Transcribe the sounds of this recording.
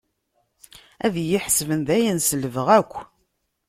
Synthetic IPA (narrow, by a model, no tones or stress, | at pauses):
æðjiħsvənðæjənsələvəʁækʷː